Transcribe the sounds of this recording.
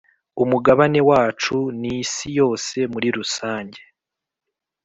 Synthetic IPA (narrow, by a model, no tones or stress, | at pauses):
umuɡaβane̞waːt͡ʃunisijo̞ːse̞muɾiɾusaːɲɟe